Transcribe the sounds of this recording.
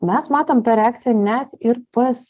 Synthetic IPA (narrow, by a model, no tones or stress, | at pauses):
mʲɛsmɑːt̪oːmt̪ɑɾʲɛɑːk̚t̪sʲɪjɛnʲɛt̪ɪɾpɐs